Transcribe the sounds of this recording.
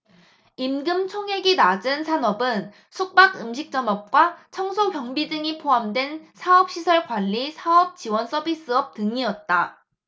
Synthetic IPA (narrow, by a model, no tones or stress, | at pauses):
imɡɯmt͡ɕʰoŋɦeɡinad͡ʑɯnsʰanʌbɯn | sʰuk̚p͈aɡɯmɕʰik̚t͡ɕ͈ʌmʌp̚k͈wat͡ɕʰʌŋsʰokjʌŋbidɯŋipʰoamdwe̞nsʰaʌp̚ɕ͈isʰʌɭkwaʎːisʰaʌp̚t͡ɕiwʌns͈ʰʌbis͈ɯʌp̚tɯŋiʌt̚t͈a